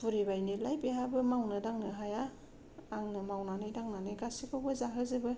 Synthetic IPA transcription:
puɾibajnilajpiɦabɯmawnɯdaŋnɯɦajaː | ŋnɯmawnanɯjdaŋnanɯjɡasikʰawbɯzaɦɯzɯbɯ

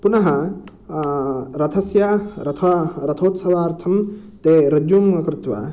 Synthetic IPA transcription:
punɐɦɐ̃ | ɾɐt̪ʰɐsjaɾɐt̪ʰɐɾɐt̪ʰoːt̪sɐʋaːɾt̪ʰɐm | t̪eɾɐd͡ʒuːmɐkɾɪt̪wa̰

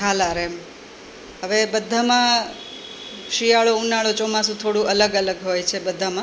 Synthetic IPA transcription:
alaɾem | ɦəʋebəd̪ʱːamã | ʃijaɭounaɭot͡ʃɔmasũt̪ʰoɽũʔələɡələɡɦojt͡ʃʰebəd̪ʱamã

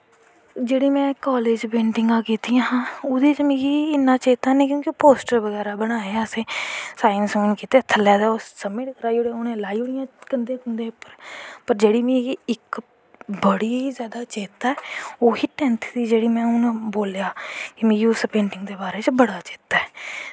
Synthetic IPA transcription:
d͡ʒeːɽiːmɛ̃ːkaːleːd͡ʒpẽːɳʈɪŋɡãːkiːt̪ijãːɦãːʊd̪eːt͡ʃmĩːɡiːɪnːãːt͡ʃeːt̪aːnẽːk̬jõːkɪpoːsʈəɾbəɡɛːɾaːbəɽ̃aːeaəsẽːsaːjənsmɪ̃nkiːt̪eːt̪ʰəlːaːd̪aːoːsəmːɪʈkəɾaːioːɽeːʊnẽːlaːiːʊɽɪjãːkənd̪eːkʊnd̪eːpəɾpəɾd͡ʒeːɽiːmĩɪk | bəɽiːizjaːd̪aːt͡ʃeːt̪aːɛːoːhiːʈɛːnt̪ʰd̪iːd͡ʒeːɽiːmɛ̃ːʊnãboːljaːkɪmẽːɡiʊspẽːɳʈɪŋɡd̪eːbaːɾeːt͡ʃbəɽaːt͡ʃe̥ːt̪ːaːɛː

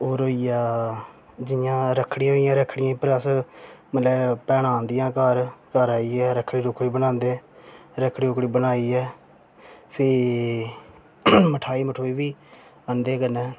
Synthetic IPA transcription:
oːɾoːiːjaː | d͡ʒɪjãːɾəkʰːɽijãːɦoːijãːɾəkʰɽɪjãĩpɾəsməlɛːpɛːɽãːnd̪ɪjãːkəɾkəɾaːiːɛːɾəkʰɽiːɾʊkʰɽiːbənãːnd̪eːɾəkʰɽiːɾʊkɽiːbənaːiːɛː | pʰɪ | məʈʰaːiːməʈʰoːiːʋiː | ənd̪eːkənɛ̃ː

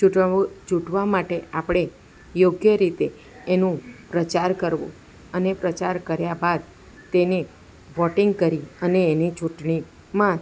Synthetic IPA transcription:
t͡ʃuʈd͡ʒuʈʋamaʈeapɽ̃e | joɡjəɾit̪eː | nũpɾət͡ʃaɾkəɾʋo̰ | ənepɾət͡ʃaɾkəɾjabad̪̚ | t̪ene | ʋɔʈiŋɡkəɾiəneːnit͡ʃuʈɳi | mã

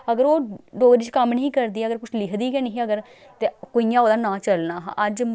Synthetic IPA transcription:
əɡəɾoːɖoːɡɾiːt͡ʃkəmːnĩːkəɾd̪iːɛːəɡəɾkʊt͡ʃʰlɪkʰd̪iːkɛniɦiəɡəɾ | t̪eːkoːiːjãːoːd̪aːnãːt͡ʃəlnaːɦʔəd͡ʒ

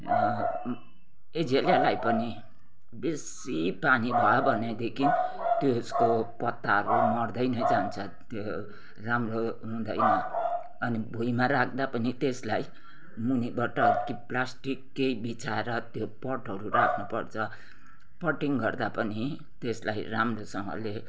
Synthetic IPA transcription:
ed͡zeljalajpʌni | bes | ipanibʱʌjobʱʌned̪ekʰint̪joskopʌt̪ːaɦʌɾumʌrd̪ʌjnʌjd͡zant͡sʰʌ | t̪jo | ramroɦũd̪ʌjnʌ | ʌnibʱujmaɾakʰd̪apʌnit̪eslaj | munibaʈʌkiplasʈikːejbit͡saeɾʌt̪jopʌʈɦʌɾurakʰnupʌɽt͡sʰʌ | pʌʈiŋɡʌrd̪apʌni | t̪eslajramrosʌŋʌ̰le

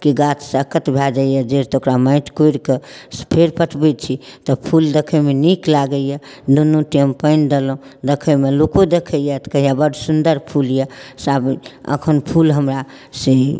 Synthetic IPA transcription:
kiɡat̪ʰsəkət̪bʱɛd͡ʒajəd͡ʒeɾt̪okɾaməɪʈʰkoiɾkespʰeɾpəʈʰbɛt͡ʃʰit̪ɔpʰuld̪ekʰəmeniklaɡəjə | d̪onuʈiəmpəɪnd̪elũd̪ekʰəmelokod̪ekʰəjət̪kəjabəɽsund̪əɾpʰuljasabə̰kʰənpʰulɦəmɾa | se

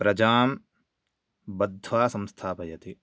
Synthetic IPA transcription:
pɾɐd͡ʒaːm | bɐd̪ʱːʋaːsɐ̃mst̪ʰaːpɐjɐt̪i

